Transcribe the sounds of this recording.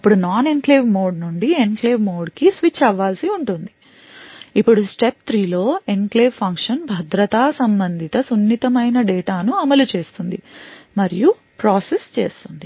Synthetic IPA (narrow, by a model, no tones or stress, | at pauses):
ipːuɽunaːnenkleːʋmo̞ːɖnuɳɖienkleːʋmoːɖkisʋit͡ʃɐʋːaːlsiuɳʈund̪i | ipːuɽusʈe̞p̚t̪ʰɾiːlo̞ːenkleːʋpʰɐŋkʂɐnbʱɐd̪ɾɐt̪aːsɐmbɐnd̪ʱit̪ɐsunːit̪ɐmɐjnɐɖɛːʈaːnuɐmɐlut͡ʃe̞ːst̪und̪imɐɾiju | pɾaːsest͡ʃe̞̰ːst̪und̪i